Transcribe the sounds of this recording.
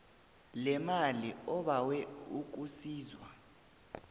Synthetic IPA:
lɛmaliɔɓawɛuk̬usiːzwa

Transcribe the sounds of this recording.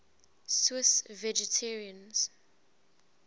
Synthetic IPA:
swɪsvɛd͡ʒɛtʰɛɹiə̃nz̥

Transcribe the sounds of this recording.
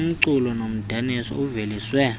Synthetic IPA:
m̩ǀulɔnom̩d̥ʱanisɔ̰uveliswɛ

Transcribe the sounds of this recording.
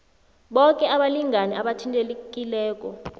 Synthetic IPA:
ɓɔkʼɛaɓaliŋɡanɛʔaɓatʰintʼelekʼilɛːk̬ʼɔ

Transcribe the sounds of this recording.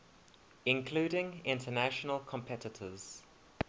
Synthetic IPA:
ɪ̃nkʰl̥uːɾɪ̃ŋɪ̃ntʰənaʃənəlˠkʰə̃mpʰɛtɪtʰəz̥

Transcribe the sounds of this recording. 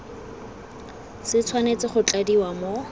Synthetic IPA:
sɪt͡sʰwanet͡sɪχʊt͡ɬʼadiwamo

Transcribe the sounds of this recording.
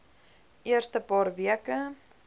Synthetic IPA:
ʔiərstəpɑːrviəkə

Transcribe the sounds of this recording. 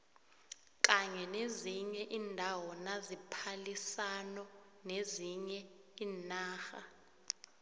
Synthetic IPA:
k̬ʼaɲɛneziɲɛʔiːndʱawɔnazipʰalisanɔ | neziɲɛiːnaːxa̰

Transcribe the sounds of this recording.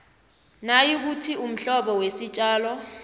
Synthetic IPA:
najik̬utʰium̩ɬɔɓɔwesit͡ʃʼaːlɔ

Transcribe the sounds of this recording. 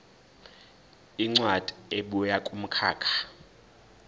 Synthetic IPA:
iŋ͡ǀwad̥ʱʼi̥eɓujakʼum̩kʰaːkʰḁ

